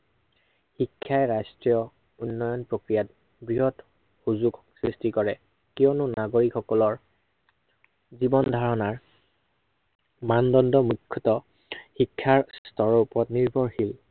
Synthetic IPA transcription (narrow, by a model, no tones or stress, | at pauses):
xikʰːajɹajstɹijɔ | unːɔjɔnpɹokɹijat | bɹiɦɔt | xuzuɡ | sɹistikɔɹɛ | kiɔnʊnaɡoɹikxɔkɔlɔɹ | zibɔndʱaɹɔnaɹ | mandɔndɔmukʰːɔtɔ | xikʰːaɹstɔɹɔupɔɹɔtniɹbʱɔɹxil